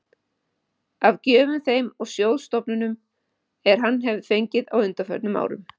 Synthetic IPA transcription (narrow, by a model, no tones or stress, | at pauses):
avcɛːvʏmθejmɔɣsjowðst̪ɔpnʏnʏm | ɛɾ̥ɦanːɦɛvðfejɲcɪðawʏnt̪afœ̰t̪nʏma̰ːwɾʏ̰m